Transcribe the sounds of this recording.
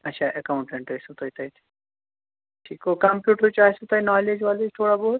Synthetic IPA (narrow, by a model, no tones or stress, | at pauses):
ɐtːʃʰaːʔɐkaʊɳʈẽɳʈɐjsũt̪oit̪ɐit̪ʰ | ʈʰiːkokɐmpjuːʈɾut͡ʃaːsũt̪ɐinaːled͡ʒʋaːled͡ʒt̪ʰoːɽaboːɾ